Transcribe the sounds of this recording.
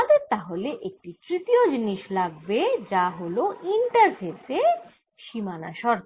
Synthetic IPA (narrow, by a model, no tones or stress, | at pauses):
ad̪eɾt̪aɦoleʔek̚ʈit̪ɾit̪iod͡ʑiniʃlaɡ̚bed͡ʑaɦoloʔiɳʈaɾfese | ʃimana̰ʃɔɾk̪ʰ